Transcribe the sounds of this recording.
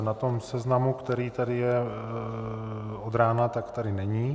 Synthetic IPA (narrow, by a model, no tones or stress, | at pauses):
nat̪o̞msɛznamukt̪ɛɾiːt̪adɪjɛ | od̪ɾaːnat̪akt̪adɪnɛɲiː